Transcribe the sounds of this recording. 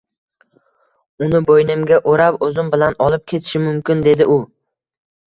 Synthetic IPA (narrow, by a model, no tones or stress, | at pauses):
ʊnɪbojnɪmɡʲaʔoɾapɵzɪmbɪlanɒlˠɪp̚kʲʰe̞t̪ʰɪ̥ʃɪmʊmkʲɪnd̪e̞d̪ɪʔʊ